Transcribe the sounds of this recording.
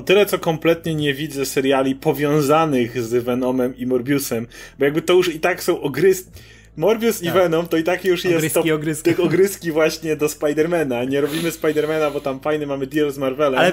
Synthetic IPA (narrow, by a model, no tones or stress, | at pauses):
ɔt̪ɘlɛt̪sɔkɔmplɛt̪ɲɛɲɛvʲid̪zɛsɛɾjalʲipɔvʲjɔ̃w̃zanɘɣzɛvɛnɔmɛmimɔɾbʲjusɛmbɔjaɡbɘt̪ɔjuʂit̪aksɔ̃w̃ʔɔɡɾɘskʲi | mɔɾbʲjusivɛnɔmt̪ɔit̪akjuʂjɛst̪ːɔɔɡɾst̪xɔɡɾɘskʲivwaɕɲɛd̪ɔspajd̪ɛɾmɛnaɲɛɾɔbʲimɘspajd̪ɛɾmɛnabɔt̪amfajnɘmamɘd̪ʲjɛlzmaɾvɛlɛm